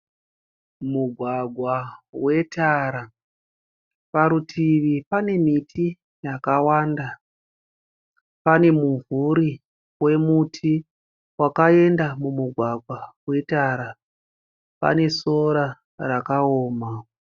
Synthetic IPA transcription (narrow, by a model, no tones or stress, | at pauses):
muɡʱwaɡʱwawe̞taɾa | paɾutʰiʋipane̞mitʰi | jakawanda | pane̞muɱvuɾi | we̞mutʰi | wakae̞ndamumuɡʱwaɡʱwawe̞taɾa | pa̰ne̞so̞ɾa | rakaoːma